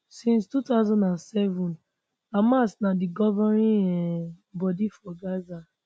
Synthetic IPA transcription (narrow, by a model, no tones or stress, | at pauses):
sĩnstutaʊzɔ̃ndãnsɛvɔ̃n | amasnadiɡɔvɔɾĩɛ | bɔdifɔɡaza